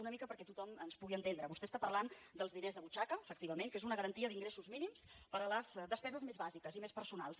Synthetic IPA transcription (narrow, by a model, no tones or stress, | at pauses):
unəmikəpəɾkɛt̪ut̪ɔmənspuɣiənt̪end̪ɾəβust̪ɛst̪apərland̪əlˠzðinezðəβut͡ʃakəːfək̚t̪iβəmeŋkezunəɣəɾənt̪iəðiŋɡɾesuzminimspəɾələz̥dəspɛzəzmezβazikəzimespəɾsuna̰lˠs